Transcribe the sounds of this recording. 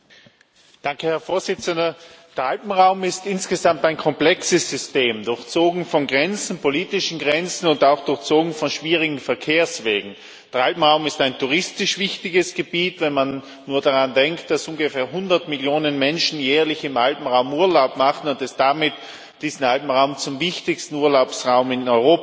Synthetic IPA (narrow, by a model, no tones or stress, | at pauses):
d̥aŋkəhɛɐfoːɐz̥ɪt͡səndɐd̥ɐalpm̩ʁaʊmɪstɪnsɡ̥əzamtaɪnkʰɔmplɛksəsz̥ʏsteːmdʊɐçt͡soːɡŋ̩fɔnɡʁɛnt͡sn̩pʰoliːtɪʃn̩ɡʁɛnt͡sn̩ʊntaʊxd̥ʊɐçt͡soːɡŋ̩fɔnʃv̥iːʁɪɡŋ̩fɛɐkʰeːɐsv̥eːɡŋ̩ | d̥ɛɐalpm̩ʁaʊmɪstaɪntuʁɪstɪʃv̥ɪçtɪɡəsɡ̥əb̥iːtvɛnmanː | uːɐdaʁandɛŋktd̥asʔuːŋɡəfɛːɐɦʊndɐtmɪljoːnənmɛnʃn̩jɛːɐlɪçɪmʔalpm̩ʁaʊmuːɐlaʊpmaχn̩ʊntɛsd̥amɪt | d̥iːzn̩alpm̩ʁaʊmt͡sʊmvɪçtɪçstn̩uːɐlaʊpsʁaʊmɪnɔʏʁoːp